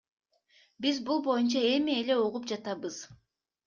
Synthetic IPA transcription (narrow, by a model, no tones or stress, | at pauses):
bizbulˠbo̞junt͡ʃɑe̞mie̞le̞uʁup̚d͡ʒɑt̪ɑβɯz̥